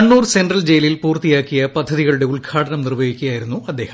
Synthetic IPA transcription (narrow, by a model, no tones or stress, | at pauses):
ɐnːuːrsendrɐld͡ʑejlilpuːrt̪ijaːkːijɐpɐd̪ʱːɐðiɣɐɭuɽe̞uɭkʰaːʈɐnɐmnirʋɐʋikʲːujaːjiɾunːuɐd̪ːe̞ːhɐ